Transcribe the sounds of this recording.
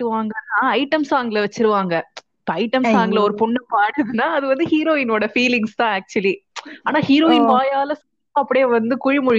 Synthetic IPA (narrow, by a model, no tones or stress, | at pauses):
ʈːɯʋaːŋɡɐnaːɐɪʈɐmsaːɐŋɡɪɭɐʋɛt͡ʃːɪɾɯʋaːŋɡɐ | ɐɐɪʈɐmsaːɐŋɡɪlɐɔɾɯpʊɳːɐmpaːɽɯðɯnːaːɐðɯʋɐnd̪ɯhiːɾoːɪnoːɽɐfiːlɪŋst̪ãːæːk̚t͡ʃʊɐliaːnaːhiːɾoːɪnʋaːjaːlɐsɔ | aːɐpːɐɽjeːʋɐnd̪ɯkʊɻɪmʊɻɪ